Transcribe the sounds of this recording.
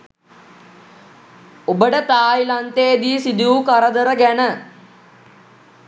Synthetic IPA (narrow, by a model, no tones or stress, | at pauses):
obəʈət̪aːjilant̪eːd̪iːsid̪uukaɾəd̪əɾəɡænə